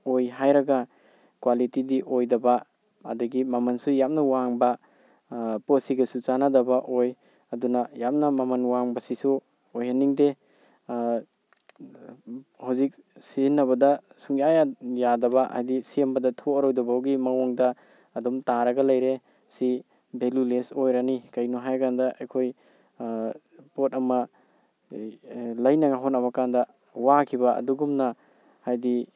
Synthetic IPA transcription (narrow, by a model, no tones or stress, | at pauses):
ojɦajɾɐɡa | kwalitidiʔojdɐba̰ː | dɐɡimamɐnsujap̚nɐwaŋbɐ | posiɡɐsut͡ʃanadɐbaʔoj | ɐdunɐjap̚nɐmamɐnwaŋbɐsisu | ojhaniŋde | hawzik̚ | sinːɐβɐdɐ | suŋjajajadɐbɐha̰jdisiembɐdɐtʰoːɾojdɔbwɡimɐŋɔŋdɐː | dumtaɾɐɡɐlɐjɾe | si | belulesojɾanikɐjnuɦajkandɐʔejkʰoj | potɐmɐ | lɐjnɐɡaɦɔnɐβɐkandɐ | wakʰibɐɐ̰duɡumnɐ | hajdi